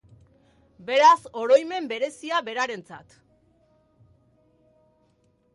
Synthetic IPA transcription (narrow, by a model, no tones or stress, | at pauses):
be̞ɾaso̞ɾo̞jme̞mbe̞ɾe̞siaβe̞ɾaɾe̞nt͡sat̪